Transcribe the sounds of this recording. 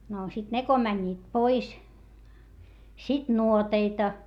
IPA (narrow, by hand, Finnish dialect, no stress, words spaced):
no sit ne ko mænʲːiːt pois sit nuoteitɑ